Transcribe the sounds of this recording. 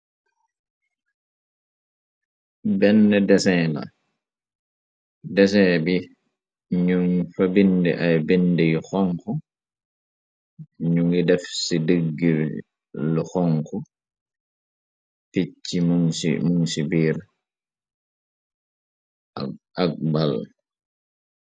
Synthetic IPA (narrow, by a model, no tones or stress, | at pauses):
bɛndɛdɛsɛːna̰ | dɛsɛbi | ɲuŋfabindɛ̰ʔajbendijxɔŋkɔ | ɲuŋidɛfsidəɡːi | lɔxɔŋkɔ | pit͡ʃːimḭmuŋsibiːɾ | ak̚bal